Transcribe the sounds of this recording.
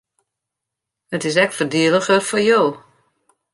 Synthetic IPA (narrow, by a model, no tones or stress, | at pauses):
ətɪs̬ɛk̚tfərdiələχərfɔɹjoː